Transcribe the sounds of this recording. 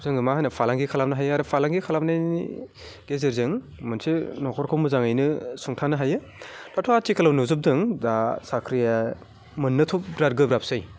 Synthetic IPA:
zɯŋɯmaɦajnɐpʰalaŋɡikʰalap̚nɐɦajaɾɯpʰalaŋɡikʰalap̚naḭ | ɡ̥ezeɾzɯŋ | mɯnsinɔkʰɔɾkʰawmɯzaŋajnɯsuŋtʰanɯɦajɯ | latʰoatikɐlawnɯzɯp̚dɯŋdasakʰɾija | mɯnːɯtʰup̚bɾaɾ̚ɡɯbɾapsɯj

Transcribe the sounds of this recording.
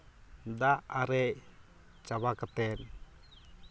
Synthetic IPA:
d̪aʔaɾɛʔ | t͡ʃawakat̪ɛn

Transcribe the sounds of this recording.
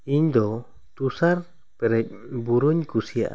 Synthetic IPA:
iɲd̪ɔ | t̪usaɾ | pɛɾɛc̚buɾuɲkusija̰ʔa

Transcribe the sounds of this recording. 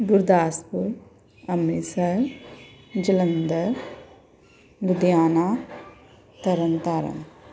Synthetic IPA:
ɡuɾd̪aːspu | ɐmːisɐɾ | d͡ʒɐlɐnd̪ɐɾ | lud̪jaːnaː | t̪ɐɾɐnt̪aːɾɐ̰n

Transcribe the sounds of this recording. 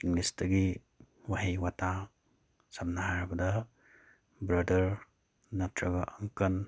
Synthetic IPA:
iŋlistɐɡi | waɦejwata | samnaɦaɾbɐdɐ | bɾɐdɐɾ | nɐtɾɐɡaʔɐŋkɐn

